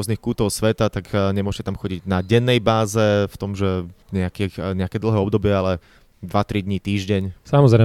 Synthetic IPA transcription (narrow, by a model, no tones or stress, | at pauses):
ɔznixkuːt̪ɔʊsʋɛt̪at̪akɲɛmʊɔʒcɛt̪amxɔɟiɟnaɟɛnːɛjbaːzɛft̪ɔmʒɛɲɛakiɲɛakɛːd̪l̩ˠɦɛːɔbd̪ɔbɪɛalɛ | d̪ʋat̪ɾid̪ɲit̪iːʒɟɛɲsamɔzɾɛ